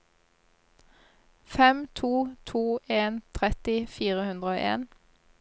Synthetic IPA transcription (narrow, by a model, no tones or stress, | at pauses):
fɛmt̪ʰuːt̪ʰuːʔeːnt̪ʰʁɛt̪ɪfiːʁəhʉnd̪ʁəoːʔḛːn